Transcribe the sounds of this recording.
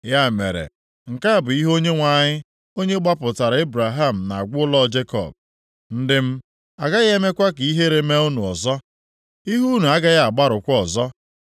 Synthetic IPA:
ja˦mḛ˨ɾḛ˨ | ŋ̩˨ka˦a˨bʊ˨i˦ɦo˦ɲe˦ŋʷa˨ɲɪ˦ | o˦ɲe˦ɡ͡ba˦pʊ˨ta˨ɾa˨e˦bɾa˨ɦa˦˨m̩˨na˨a˨ɡʷʊ˦ʊ˦lɔ˦d͡ʒe˦kɔ̰˨b̚ | n̩˦dɪ˦m̩˦ | a˨ɡa˦ɣe˦me˦kʷa˦k̬i˦ɦe˦ɾe˦me˦u˦nu˨ɔ˨zɔ˦ | i˦ɦu˦nu˨a˦ɡa˦ɣa˨ɡ͡ba˦ɾʊ˨kʷɔ˨zɔ˦

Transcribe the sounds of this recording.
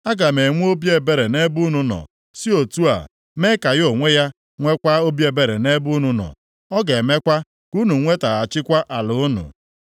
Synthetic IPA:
a˦ɡa˨me˨ŋʷ˦o˦bje˨be˦ɾe˨ne˦bu˦nu˨nɔ̰˨ | si˦o˨tu˦a̰˨ | me˦ka˨jo˨ŋʷe˦ja˦ | ŋʷe˦kʷa˦o˦bje˨be˨ɾe˨ne˦bu˦nu˨nɔ̰˨ | ɔ˦ɡe˨me˦kʷa˦ | ku˦nu˨ŋʷe˦ta˨a˨t͡ʃɪ˦kʷa˦ʔa˨lʊ˨ʊ˦nʊ̰˨

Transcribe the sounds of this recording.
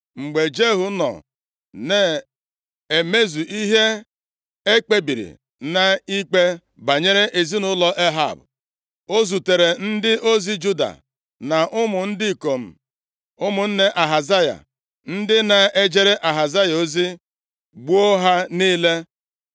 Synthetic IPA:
ŋ͡m̩˨ɡ͡be˨d͡ʒe˦ɦu˦nɔ̰˨ | ne˨ | e˨me˦zu˨ʔi˦ɦe˦ | e˦k͡pe˦bi˨ɾḭ˨ | na˨i˦k͡pe˦ | ba˨ɲe˦ɾe˦ʔe˨zi˦nʊ˦lɔ˦ʔe˦ɦa̰˨bʊ˨ | o˦zu˨te˨ɾe˨n̩˦dɪ˦ʔo˦zi˦d͡ʒu˦da̰˨ | na˨ʔʊ˦mʊ˨n̩˦dɪ˦˨ko˨m̩˨ | ʊ˦mʊ˨n̩˦ne˦ʔa˨ɦa˨za˦ja̰˨ | n̩˦dɪ˦na˨e˦d͡ʒe˦ɾe˦ʔa˨ɦa˨za˦ja˨o˦zi˦ | ɡ͡bo˦ɦa˦niː˦le˦

